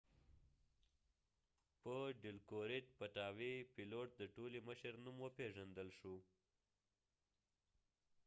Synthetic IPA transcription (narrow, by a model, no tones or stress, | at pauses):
pəɖɪlkoɾɪʈ̚paʈɑwepiloʈ̚d̪əʈoliməʃəɾnumwəpeʐand̪əlʃu